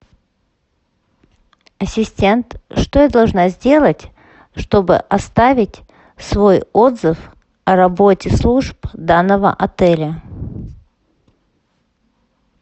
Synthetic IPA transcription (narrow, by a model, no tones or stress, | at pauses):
ɐsʲɪsʲtʲe̞nt̪ʂt̪ojad̪ɐlˠʐnazʲdʲe̞lˠətʲ | ʂt̪o̞bɨ̰ʔɐst̪avʲɪtʲ | svojod̪zɨf | ɐɾɐbo̞tʲɪslˠuʐpd̪anːəvə̰ʔɐt̪ɛlʲə